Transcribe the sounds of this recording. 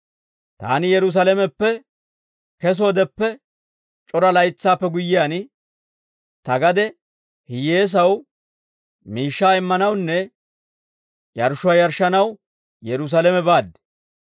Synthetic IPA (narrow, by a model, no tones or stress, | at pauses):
t̪a̰ːnɪjɛɾʊs̬alɛmɛpːɛ | kɛs̬oːd̪ɛpːɛ | t͡ʃʼɔɾɐlɐjɪt͡sːaːpːɛɡʊjːɪjaːn | t̪ɐɡɐd̪ɛ | hɪje̞ːs̬ɐw | miːʃːaːɪmːɐnɐwnːɛ | jɐɾʃʊajɐɾʃɐnɐw | jɛɾʊs̬ɐlɛmɛbaːd̪ːɛ̥